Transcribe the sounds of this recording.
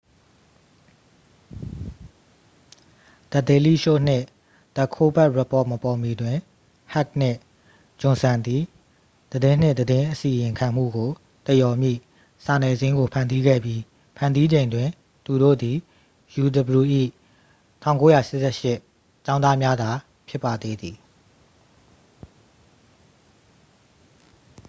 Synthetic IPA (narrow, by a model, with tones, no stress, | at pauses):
d̪̥ə˨t̪e˨li˦˨ʃo̰˦˨n̥ɪ̰̃˦˨ | d̪̥ə˨kʰo˦bɛ˦ʔɹɛ˨pɔ˦˨ʔmə˨pɔ˨mi˨dwɪ̃˨ | ha˦k̚n̥ɪ̰̃˦˨ | d͡ʑʊ̃˨sã˨nd̪i˨ | d̪̥ədɪ̃˦n̥ɪ̰̃˦˨d̪ədɪ̃˦ʔəsi˨jɪ̃˨ŋkʰã˨m̥ṵ˦˨ɡo˨ | t̪ə˨jɔ˨mjḭ˦˨ | sa˨nɛ˨zɪ̃˦ŋɡo˨pʰã˨ndi˦ɡɛ̰˦˨bji˦ | pʰã˨ndi˦d͡ʑẽ˨ɪ̃ndwɪ̃˨ | t̪u˨ɾo̰˦˨d̪i˨ | ju˨d̪ə˨bɹu˨ʔḭ˦˨ | tʰã˦˨ʊ̃ŋko˦ja̰˦˨ʃɪ˦ʔsɛ˦˨ʃɪ˦ʔ | t͡ɕã˦ʊ̃nða˦mja˦d̪a˨ | pʰjɪ˦˨pːa˨d̪ḛ˦d̪i˨